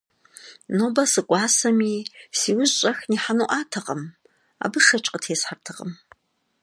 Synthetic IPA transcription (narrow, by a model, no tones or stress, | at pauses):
noːbɐsɨkʷʼɑːsɐmiːsiːwʊzɕʼɐxniːħanuʔaːtʰɐqʼɐm | a̰ːbɨʂɐt͡ʃʼqʼətʰeːsħartʰɨqə̰m